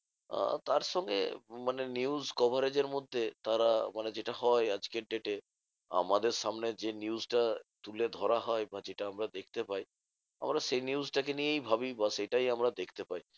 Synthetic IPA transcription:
a̰t̪aɾʃɔŋɡḛmaneniuzkɔbʱaɾed͡ʑeɾmod̪ʱːet̪aɾamaned͡ʑeʈaɦɔead͡ʑkeɾɖeʈe | a̰mad̪eɾʃamned͡ʑeniuzʈat̪uled̪ʱɔɾaɦɔebad͡ʑeʈaamɾad̪ek̚ʰt̪epaj | a̰mɾaʃejniuzʈakenijejbʱabibaʃejʈajamɾad̪ekʰt̪epai

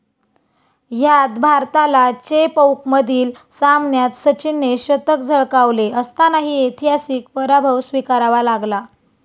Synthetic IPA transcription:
jat̪bʱaɾt̪alat͡ɕepəwkməd̪ʱiːlsamnjat̪sət͡ɕinːeɕɾət̪əkd͡zʱəɭkaʋleəst̪anaɦiːet̪ʰiɦasiːk̚pəɾabʱəwsʋikaɾaʋalaɡla

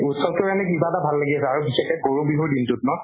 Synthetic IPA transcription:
utsɔtʊkanɛkibaɛtabʱalːaɡiasɛaɹubisɛkɛkoɹubiɦoɹdintʊtnɔ

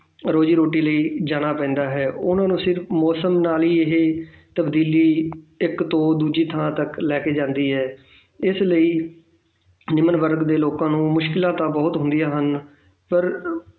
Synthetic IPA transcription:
ɾoːd͡ʒiːɾoːʈiːləiːd͡ʒaːɽ̃aːpɛ̃ːnd̪aːɦɛːʊnãːnũːsɪɾfmɔːsəmnaːliːɪɦe | t̪əbd̪iːliːɪkt̪õːd̪uːd͡ʒiːt̪ʰəãːt̪əklɛːkeːd͡ʒãːnd̪iːɦɛː | ɪsləiː | nɪmənʋəɾɡd̪eːloːkãːnũːmʊʃkɪlãːt̪ãːbɔːt̪ɦʊ̃nd̪ijaːɦən | pəɾ

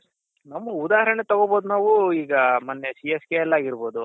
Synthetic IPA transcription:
nɐmːɐud̪aːɦɐɾɐnet̪ɐɡoboːd̪unaːʋuiːɡɐmaːnːesieskeɛlːaːɡiɾbo̞ːd̪u

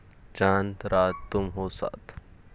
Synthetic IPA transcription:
t͡ʃaːnt̪ɾaːt̪ːumɦosa̰t̪

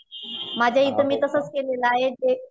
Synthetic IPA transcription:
mãːd͡ʑeid̪əmit̪ɐsəskelelaːɪd͡ʑeː

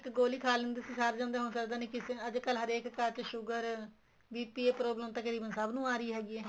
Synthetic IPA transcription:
ɪkɡoːliːkʰaːlɪ̃nd̪iːsĩːsaːɾd͡ʒãːnd̪eːɦoːsəkd̪aːnẽːkɪsẽəd͡ʒkəlɦəɾeːkːəɾt͡ʃʃʊɡəɾ | biːpiːeːpɾoːbləmt̪əkəɾiːbənsəbnũːaːɾiːɦɛːɡiːɛː

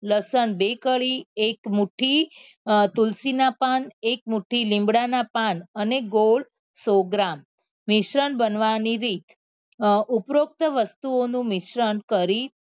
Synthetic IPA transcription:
ləsənbekəɭiekmuʈʰi | t̪ulsinapanek̚muʈʰilĩmbɽanapanəneɡoɭ | soɡɾamː | ɪʃɾənbənʋaniɾit̪ʰ | upɾok̚t̪əʋəst̪uonũmɪʃɾənkəɾit̪

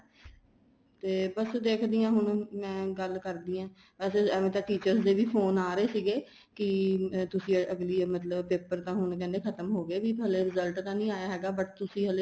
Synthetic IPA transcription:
t̪eːbəsd̪eːkʰd̪iːãːɦʊɳmɛ̃ːɡəlkəɾd̪iːãː | ɛːseːɛːʋẽːt̪ãːʈiːt͡ʃəɾsd̪eːʋiːpʰoːnaːɾeːsiːɡeː | kɪt̪ʊsĩːəɡliːmət̪ləbpeːpəɾt̪ãːɦʊɳkɛ̃ːnd̪eːkʰət̪əmɦoːɡeːʋiːɦəleːɾɪzəlʈt̪ãːnĩːaːjaːɦɛːɡaːbəʈt̪ʊsĩːɦəleː

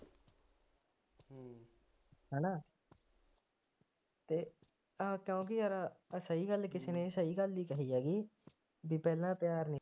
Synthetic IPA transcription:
ɦɛːnãː | t̪eː | aːkjõːk̬ɪəɾaəsəiːɡəlkɪseːnẽːsəiːɡəlːiːkəɦiːɛːɡiː | biːpɛːlãːpjaːɾni

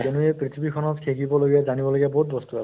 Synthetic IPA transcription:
enuepɹit̪ʰibikʰɔnɔt̪kʰekibɔloɡijazanibɔloɡabɔɦut̪̚bɔst̪ua

